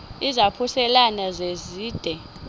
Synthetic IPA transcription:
izapʰusɛlanazeziːd̥ʱɛ

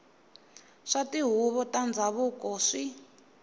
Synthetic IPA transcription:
ʂatiɦuβɔtand͡zaβukɔʂi

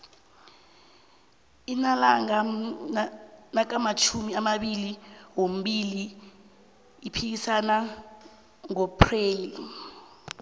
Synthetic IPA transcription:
inalaŋa | nak̬amat͡ʃʰumiamaɓiliwom̩ɓili | ipʰik̬isana | ŋɔpʰreːli

